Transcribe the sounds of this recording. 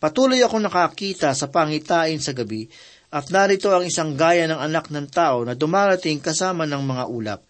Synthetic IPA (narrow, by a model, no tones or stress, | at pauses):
pɐt̪uːlojɐko̞nɐkakiːt̪ɐsɐpaŋɪt̪aːʔɪnsɐɡɐbi | ʔɐt̪̚naɾɪt̪o̞ɐŋɪsaŋɡaːjɐnɐŋɐnak̚nɐŋt̪aːʔo̞nɐd̪ʊmaːɾɐt̪ɪŋkɐsaːmɐnɐŋmɐŋaʔuːlɐ̰p̚